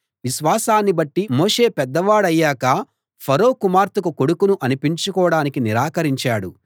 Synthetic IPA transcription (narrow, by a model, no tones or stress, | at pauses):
ʋiʃʋaːsaːnːibɐʈːimoːʂe̞ːpɛd̪ːɐʋaːɽɐjːaːkɐ | pʰɐɾo̞ːkumaːɾt̪ukuko̞ɽukunuʔɐnipiɲt͡ʃukɔːɽaːnikiniɾaːkɐɾiɲt͡ʃaːɽu